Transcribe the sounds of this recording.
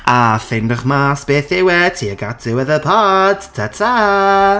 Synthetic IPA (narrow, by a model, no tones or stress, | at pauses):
afɪndəχmaːsb̥eːθɪwɛtʰiːəɡatʰɪwɛðəpʰadtʰətʰa